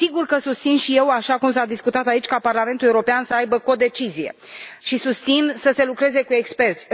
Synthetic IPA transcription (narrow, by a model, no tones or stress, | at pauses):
siɡurkəsust̪sinʃije̞waʃakumsad̪iskut̪at̪ait͡ʃʲkaparlame̞nt̪uleuɾo̞peansəajbəko̞d̪e̞t͡ʃizije̞̰ʃisust̪sinsəse̞lukɾe̞ze̞kue̞kspe̞rt̪sʲ